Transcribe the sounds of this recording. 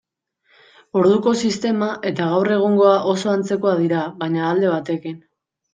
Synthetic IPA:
o̞ɾðuko̞sist̪e̞maʔe̞t̪aɣ̞awre̞ɣ̞uŋɡo̞aʔo̞so̞ant͡se̞ko̞aðiɾaβajɲaːld̪e̞β̞at̪e̞kin

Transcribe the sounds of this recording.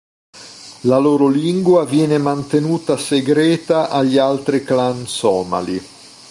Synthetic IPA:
laloːɾoliŋɡwavjɛːnemant̪enuːt̪aseɡɾɛːt̪aʔaʎːialt̪ɾiklansɔːma̰li

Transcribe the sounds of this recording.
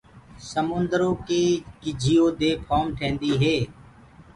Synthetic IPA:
səmʊ̃nd̪əɾõːkeːkɪd͡ʒʱijoːd̪eːpʰɔːmʈʰẽːnd̪iːɦeː

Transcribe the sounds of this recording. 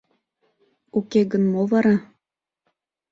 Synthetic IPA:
ukeɡənmovɑɾɑ

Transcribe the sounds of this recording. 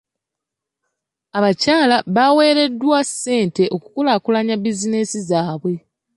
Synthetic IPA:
aβacaːlaβawe̞ːɾe̞dːwasːe̞ːnte̞ʔo̞ku̥kulaːkulaɲabizinesizaːβwe̞

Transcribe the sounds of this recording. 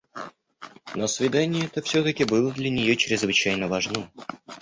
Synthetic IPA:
nosvʲɪd̪anʲɪjəɛt̪əfsʲot̪əkʲɪbɨlˠəd̪lʲɐnʲɪjot͡ɕɾʲɪzvɨt͡ɕæjnəvɐʐno

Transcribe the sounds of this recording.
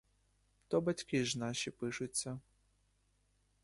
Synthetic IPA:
t̪ɔbat͡sʲkʲiʐnaɕipɨʂut͡sʲːɐ

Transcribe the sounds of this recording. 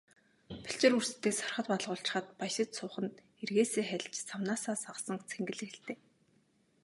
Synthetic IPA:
pʰi̥ɬt͡ɕɪ̆rursɘ̥̆t̪ːeːsɔ̥rχə̆t̪̚paɮʁʊːɬt͡ɕ̆χə̆t̪̚pajʃɪ̆t̪sʊːχə̆nt̪ | erɣeːseːχæɮʲt͡ɕt͡sawnaːsaːsaʁsə̆ŋt͡sʰeŋɡɘ̆ɮɘ̆xeɬt̪eː

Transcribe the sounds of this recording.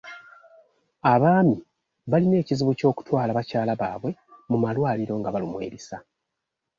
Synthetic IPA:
aβaːmi | βaline̞ːciziβuco̞ːku̥twaːlaβacaːlaβaːβwe̞mumalwaːliɾo̞ːŋɡaβalumwe̞̰ːɾisa

